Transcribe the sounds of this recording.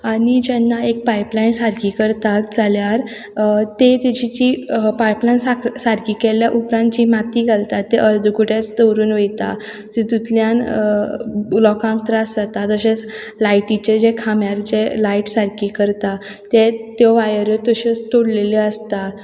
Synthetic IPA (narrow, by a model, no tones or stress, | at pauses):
aɽ̃id͡ʑɛnːaek̚paiplainsaɾkiːkəɾt̪at̪̚d͡zaljaɾ | t̪et̪ed͡ʑit͡ɕipajplanasaɾkiːkeljaʔupɾãnt̪d͡ʑimat̪iːɡʱalt̪at̪ːeʔəɾd̪ʱukuʈjat͡st̪əwɾuːnʋejt̪a̰ | d͡zid̪ut̪ljan | lɔkãŋk̚t̪ɾasd͡zat̪at̪əɕet͡s | lajʈit͡ɕed͡ʑekʰamjaɾd͡ʑelaiʈsaɾkiːkəɾt̪a | t̪et̪jɔʋajəɾət̪əɕet͡st̪oɽleleəst̪a